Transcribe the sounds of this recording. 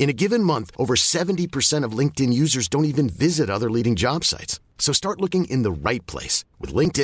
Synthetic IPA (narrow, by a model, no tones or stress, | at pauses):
ɨ̃ñɨɡɪvɨ̃nmʌ̃nθʔoʊvə˞sɛṽntipʰə˞sɛ̃ɾ̃ʌvlɪ̃ŋk̚tɨ̃njʉzə˞zdõʊ̃ntivɨ̃nvɪzɨɾʌðə˞liɾɪ̃ŋd͡ʒɑb̥sa̰ɪtsː | oʊstɑɹtˡlʊkɪ̃ŋɪ̰̃nðəɹaɪt̚pʰl̥ḛɪswɨ̰ðlɪ̃ŋk̚tɨ̃